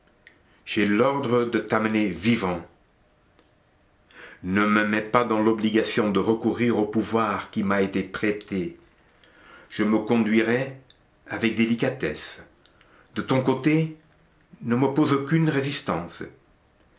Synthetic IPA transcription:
ʒ̥ɛlɔʁd̪ʁəd̪ət̪amənevivɑ̃ | nəməmɛpad̪ɑ̃lɔbliɡasjɔ̃d̪əʁəkuʁiʁopuvwaʁkʲimaet̪epχet̪e | ʒ̥əməkɔ̃d̪ɥiʁɛ | avɛk̚d̪elikat̪ɛs | d̪̥ət̪ɔ̃kot̪e | nəməpozokynʁezist̪ɑ̃s

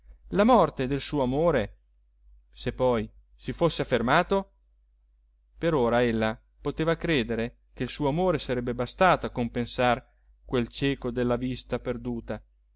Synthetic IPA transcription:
lamɔrt̪ed̪elsuːoamoːɾe | sepːɔj | sifosːeafːermaːt̪o | peɾoːɾaelːa | pot̪eːvakɾeːd̪eɾe | k̟eilsuːoamoːɾesaɾɛbːebast̪aːt̪oakːompensar | kwelt͡ʃɛːkod̪elːavist̪aperd̪uːt̪a

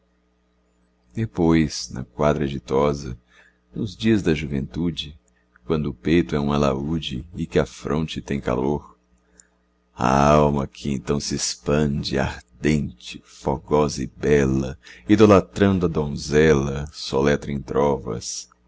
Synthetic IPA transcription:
d̪epojsnɐ̰kwad̪ɾɐʒɪt̪ɔzɐ̰ | nʊzd͡ʒiɐzd̪ɐʒuvẽnt̪ud͡ʒɪ | kwɐ̃nd̪ʊːpejt̪ʊɛũmala̰ud͡ʒɪːkɪɐfɾʔõnt͡ʃɪt̪ẽj̃ka̰loɾ | ɐ̰awmɐkʰɪẽnt̪ɐ̃w̃sɪespɐ̃d͡ʒɪa̰ɾd̪ẽnt͡ʃɪfoɡɔzɐɪbɛlɐ̰id̪olat̪ɾɐ̃nd̪ʊɐd̪õzɛlɐsolɛt̪ɾɐẽt̪ɾɔvɐ̰s

